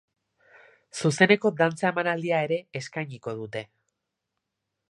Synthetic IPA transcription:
suse̞ne̞ko̞d̪ant͡sae̞manald̪iae̞ɾe̞eskajɲiko̞ðut̪e̞

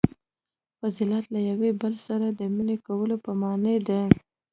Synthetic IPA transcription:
fazilɑt̪lajawebəlsaɾad̪əminekawəlopəmɑnəd̪a

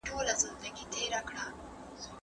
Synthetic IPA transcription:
ʈolazɪnd̪aɡit̪eɾakɽa

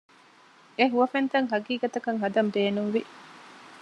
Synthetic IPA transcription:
eɦuʋɐfent̪ɐŋɦɐɡiːɡɐt̪ɐkɐŋɦɐd̪ɐmbeːnuŋʋi

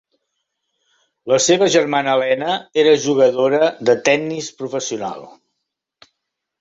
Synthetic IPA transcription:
ləseβəʒərmanəːlɛnəeɾəʒuɣəðoɾəðət̪ɛnːispɾufəsiuna̰lˠ

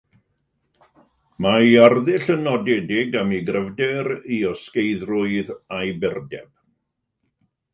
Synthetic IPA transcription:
majarðɪɬənɔdɛdɪɡamiɡrəvdɛɾiɔskejðrʊɨðajbɛrdɛ̰b̥̚

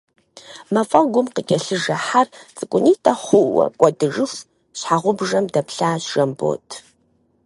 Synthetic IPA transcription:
mɐfʼɐlɡʷʊmqəkʲʼɐɬɨʒɐħart͡sʼɨkʷʼʊniːtʰɐχʷʊwɐ̰kʷʼɔdɨʐɨx | ɕħaʁʷʊbʐɐmdɐpʰɬaːɕʒ̥ɐmbo̰ːtʰ

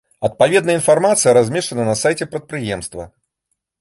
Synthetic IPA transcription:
ɐt̪̚pavʲɛd̪nɐinfarmat̪sɨjɐɾazʲmʲɛʂt͡ʂɐnɐnɐsajt͡sʲɛpɾɐt̪̚pɾɨjɛmst̪vɐ

